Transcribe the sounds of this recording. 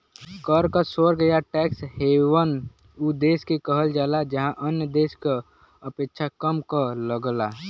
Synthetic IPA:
kəɾkasoɾɡəjaʈɛːkshewən | ud̪eːskekəɦəld͡ʒaːlad͡ʒəɦãʔənjəd̪eːska | əpeːkʃʰakəmkələɡla

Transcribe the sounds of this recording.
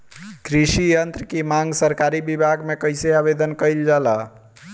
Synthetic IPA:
kɾisijənt̪ɾəkimaŋɡsəɾkaɾibibʱaɡmekəjseabed̪ənkəjld͡ʒala

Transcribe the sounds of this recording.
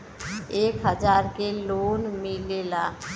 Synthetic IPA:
eːkɦəd͡ʒaːɾkeloːnmilelaː

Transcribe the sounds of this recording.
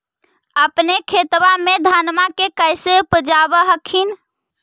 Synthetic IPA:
əpnekʰet̪bamed̪ʱanmakekəjsepəd͡ʒabəɦəkʰin

